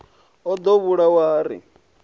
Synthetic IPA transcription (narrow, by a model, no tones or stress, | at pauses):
ɔd̪ɔβuɺawaːɾḭ